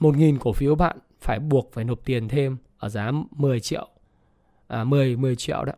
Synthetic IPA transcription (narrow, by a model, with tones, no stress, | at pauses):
mo˨˩t̬̚ŋi˨˩nku˧˩fi˨˦əwɓa̰ː˧˨n | faː˧˩jɓu˨˩ək̚faː˧˩jno˨˩p̚t̪i˨˩ənt̪ʰe˧mʔəː˧˩zaː˨˦mɨ˨˩əjt͡ɕḭ˧˨əw | ʔmɨ˨˩əjmɨ˨˩əjt͡ɕḭ˧˨ə̰wɗa̰˧˦